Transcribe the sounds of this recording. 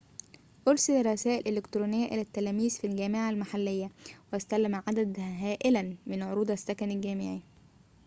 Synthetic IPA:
ʔoɾsɪlɑɾˤɑsæːʔɪlʔelekt̪ɾuːnɪjːæʔelæt̪ːælæːmiːzfilɡæːmeʕalmaħalːejːæwʔæst̪ælːæmʕad̪æd̪ɦæːʔɪlænmɪnʕoɾuːd̪æsːækænælɡæːmɪʕi

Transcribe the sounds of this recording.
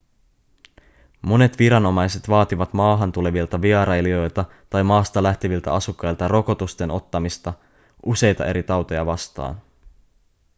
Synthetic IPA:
mo̞ne̞t̪ʋiɾɑno̞mɑjse̞t̪ʋɑːt̪iʋɑt̪mɑːɦɑnt̪ule̞ʋilt̪ɑʋiɑɾɑjlio̞jlt̪ɑ | t̪ɑjmɑːst̪ɑlæht̪iʋilt̪æ̰ɑsukːɑjlt̪ɑro̞ko̞t̪ust̪e̞no̞t̪ːɑmist̪ɑ | ʔuse̞jt̪ɑʔe̞ɾit̪ɑwt̪o̞jɑ̰ʋɑst̪ɑ̰ːn

